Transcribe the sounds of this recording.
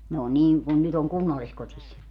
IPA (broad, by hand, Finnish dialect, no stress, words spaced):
ne o niː kun nyt oŋ kunːɑlːiskotis